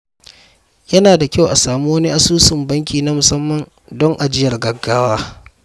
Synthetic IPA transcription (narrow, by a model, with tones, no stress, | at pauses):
jɐ˦naː˨da˨kʲa˦˨wʔa˨saː˨muː˦wɐ˦ni˦ʔa˦suː˦sɪ˨mbɐ˦ŋkʲiː˨na˦mʊ˨sɐ˦mːɐ˨n | dɔ˦ŋʔa˨d͡ʒɪ˦jɐ˨rɡɐ˨ɡːaː˦waː˦